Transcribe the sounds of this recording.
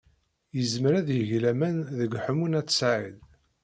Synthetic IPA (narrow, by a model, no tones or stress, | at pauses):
jəzməɾæðjəʝlæmænðəɡħəmunæt͡sːsʕil